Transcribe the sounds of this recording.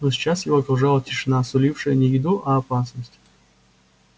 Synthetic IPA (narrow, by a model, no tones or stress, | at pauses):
nosʲɪ̥t͡ɕːasjɪvoɐkɾʊʐalˠətʲɪʂɨnasʊlʲifʂɨjənʲɪjɪd̪uʔɐːpasnəsʲtʲ